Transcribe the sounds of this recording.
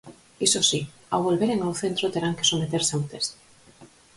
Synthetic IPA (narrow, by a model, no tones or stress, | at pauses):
isosi | a̰wβolβeɾeŋawθent̪ɾot̪eɾaŋke̥somet̪eɾsawt̪es